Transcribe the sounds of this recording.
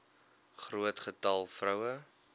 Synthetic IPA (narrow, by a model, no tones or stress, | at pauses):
χruətχətɐlˠfrœwə